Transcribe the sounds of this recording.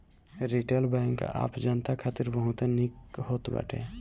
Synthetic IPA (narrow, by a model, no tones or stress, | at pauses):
ɾiʈelbɛ̃ŋka̰ːpd͡ʒənt̪akʰaːt̪iɾbəɦũt̪nikhot̪ba̰ʈʰḛ